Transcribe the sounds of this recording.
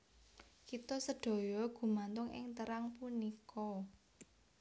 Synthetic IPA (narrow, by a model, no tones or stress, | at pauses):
kit̪ɔsədɖ̥o̤jɔɡ̥ṳmant̪ʊŋɪ̰ŋt̪əɾaŋpunikɔ